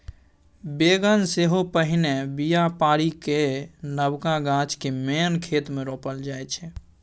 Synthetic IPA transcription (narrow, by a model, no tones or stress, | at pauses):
beɡənseɦopəɦinebijapaːɾikenəbkaɡãt͡ʃkemenkʰeːt̪meɾoːpəld͡ʒaet͡ʃʰɛ